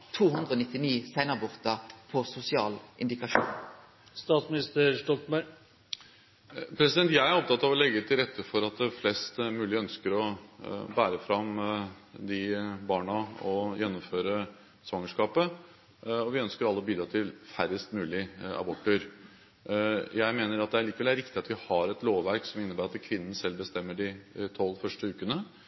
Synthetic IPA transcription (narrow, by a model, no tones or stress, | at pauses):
t̪ʰuːɦʉnd̪ʁəoːnɪt̪ːɪniːsæɪnɑbʊʁt̪ɑpʰɔsʊsɪɑ̰ːlʔɪ̰nd̪ɪkɑʃṵːn | st̪ɑːt̪smɪnɪst̪əɾʂʈɔlt̪mæ | pʰɾɛsɪd̪ɛnt̪jæɪæɾɔp̚t̪ɑt̪ːɑʋɔlɛɡːət̪ʰɪlɾɛt̪ʰːəfɔɾɑt̪̚d̪ɛflɛst̪mʉːlɪœnskəɾɔbæːɾəfɾɑm | d̪ɪbɑːɳɑɔjɛnːɔmføːɾə | sʋɑŋːəʂkɑːpə | ɔʋɪœnskəɾɑlːəɔbyːd̪ɾɑt̪ʰɪlfæɾəst̪mʉːlɪɑ̰bɔʈʰːəɾ | jæɪmeːnəɾɑt̪̚d̪ɛæɾɭiːkəʋɛlæɾɪkt̪ɪɑt̪ʋɪhɑɾɛt̪loːʋʋæɾksɔmɪnːəbæːɾɑt̪kʰʋɪnən̩sɛlbəst̪ɛmːəɖɪt̪ʰɔlːfœʂʈəʉːkənə